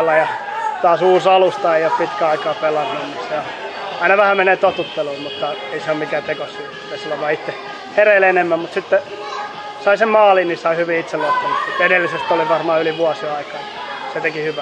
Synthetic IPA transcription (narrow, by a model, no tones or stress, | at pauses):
lːɑjɑ | t̪ɑːsuːsɑlust̪ɑeiop̪pit̪kæɑikɑːpelɑnːunnit̪seo | ɑinɑʋæhæmeneːt̪ot̪ut̪ːeluːmmut̪ːɑeiseommikæːt̪ekosi | ʋesilːæʋɑiit̪ːe | hereilenemːæmmut̪sit̪ːe | sɑisemmɑːlinisɑihyʋiit̪sellopːunut̪sit̪enelːisest̪oliʋɑrmɑːyliʋuɑsiɑikɑːɑ | set̪ekihyʋæ